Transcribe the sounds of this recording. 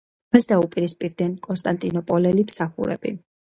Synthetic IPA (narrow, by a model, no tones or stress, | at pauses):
masd̪aupʼiɾispʼiɾd̪ɛnkʼɔnst̪ʼant̪ʼinɔpʼɔlɛlimsaχṵɾɛ̰bḭ